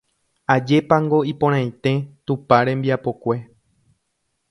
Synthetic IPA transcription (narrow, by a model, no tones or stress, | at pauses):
ad͡ʒe̞paŋɡo̞ipõɾ̃ãj̃t̪e̞t̪upaɾẽ̞mbiapo̞kʷe̞